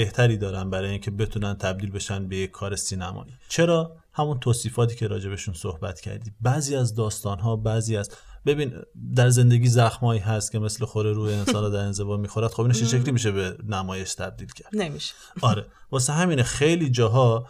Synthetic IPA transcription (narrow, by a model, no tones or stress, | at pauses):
be̞ht̪ʰæɾiːd̪ɒːɾænbæɾɒːjeiːŋcʲʰe̞be̞t̪ʰunænt̪ʰæb̚d̪iːlbe̞ʃænbejekʰːɒːɾe̞siːnæmɒ̰ːʔiːt͡ʃʰe̞ɾɒː | hæmunt̪ʰoːsiːfɒːt̪ʰiːcʰe̞ɾɒ̰ːd͡ʒe̞beʃunsohbæ̰t̪cʰæ̰ɾd̪iːbæziːæzd̪ɒːst̪ɒːnɦɒːbæziːæzbe̞biːnd̪æɾze̞nd̪eɡʲiːzæxmɒːiːɦæst̪kʲʰe̞me̞slexoɾeɾuːeːnsɒːnɾɔːd̪æɾe̞nze̞vɒːmiːxoɾæd̪̥xobinʃeʃekliːmiːʃ̬ebenæmɒːje̞ʃt̪ʰæb̚d̪iːlcʰæɾd̪miʃ | ɒːɾe | vɒːseɦæmiːnexe̞jliːd͡ʒɒːɦɒː